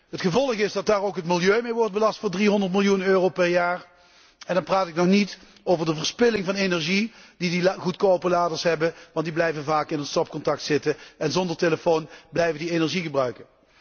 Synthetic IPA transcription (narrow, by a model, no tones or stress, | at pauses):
ɦətχəvɔlˠəχɪsdɑt̚daːrowkɦətmɪlˠjøɥmejʋɔɹd̚bəlɑstfʊːɹdriɦɔndəɹtmɪlˠjunøːrowpɛɹjaːr | ɛndɑnpraːtɪknɔχnit | owvəɹdəvəɹspɪlɪŋvɑnenɛɹʒid̥idiɣutkowpəlaːdəɹsɦɛbənʋɑntdiblɛjvənvaːkɪnənstɔp̚kɔntɑk̚tsɪtəɛnzɔndəɹteləfownblɛjvəndienɛɹʒiɣəbrœɥkə